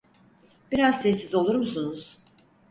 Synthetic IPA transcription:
b̥iɾazsɛsːizo̞lˠuɾmusunuz̥

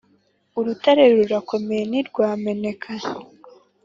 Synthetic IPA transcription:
uɾutaɾe̞ɾɾuɾako̞mejeniɾɡwaːme̞ne̞kʰa

